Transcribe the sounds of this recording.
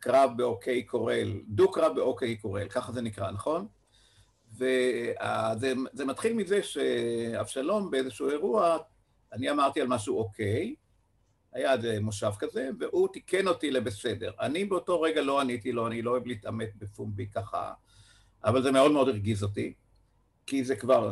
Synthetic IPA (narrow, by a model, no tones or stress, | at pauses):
kʁavbeokʰe̞jkʰo̞ʁeldukʁavbeʔokejko̞ʁe̞̰lkaχaze̞nikʁanaχo̞n | ve̞azeze̞mat̪χilmize̞ʃea̰vʃalo̞mbeezeʃuue̞ʁua | aniamaʁt̪ialmaʃuokʰe̞j | hajazemoʃavkaze̞veʔut̪ike̞no̞tilebese̞de̞̰ʁanibeoto̞ʁe̞ɡalo̞anitilo̞anilooevliːtame̞t̚befumbikaχa̰ | ʔa̰valze̞meo̞dmeodiʁɡizo̞ti | kizekvaʁ